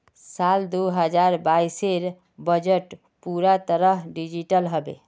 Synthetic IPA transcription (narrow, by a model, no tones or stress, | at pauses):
sald̪uɦəd͡ʒaɾbajseɾ | bəd͡ʒəʈ | puɾat̪əɾəɦɖid͡ʒiʈəlɦəbḛ